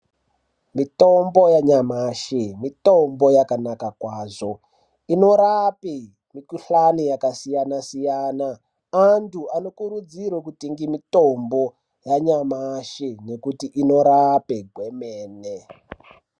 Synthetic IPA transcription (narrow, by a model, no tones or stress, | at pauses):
mito̞mbojaɲamaʃimito̞mbojakanakakwaːzo̞ | ino̞ɾapi | mikuɬanijakasijanasijaːnaː | ntuano̞kuɾud͡ziɾwokutiŋɡimitombo̞ | jaɲamaʃine̞kutiʔino̞ɾapeɡʱwe̞meːne